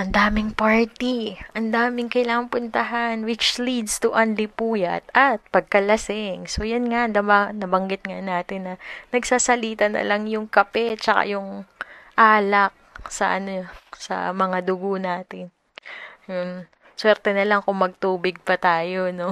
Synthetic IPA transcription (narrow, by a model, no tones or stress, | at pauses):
ʔɐnd̪aːmɪŋpaɹt̪iʔɐnd̪aːmɪŋkɐɪlaːŋɐŋpʊnt̪ɐɦanwɪt͡ʃlid̪st̪ʊʔɐnlɪpuːjɐ̰t̪̚ɐt̪̚pɐɡ̚kɐlɐsɪŋso̞jɐnŋad̪ɐbanɐbɐŋɡɪt̪̚ŋanaːt̪ɪnːɐnɐɡsaːsɐliːt̪ɐnɐ̰lɐŋjʊŋkɐpɛt͡ʃɐka̰jʊŋʔaːlɐk̚sɐ̰ʔɐnosɐ̰mɐŋad̪ʊɡonaːt̪ɪn | jon | swɛɾt̪ɛnɐlaŋkʊŋmɐɡ̚t̪uːbɪɡ̚pɐt̪aːjono̞